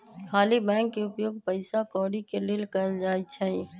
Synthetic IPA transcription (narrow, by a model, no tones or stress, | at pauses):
kʰaːlibɛ̃ŋkːeʊpjoːɡpəɪsakɔːɽikelilkəəld͡ʒaːjt͡ʃʰəĩ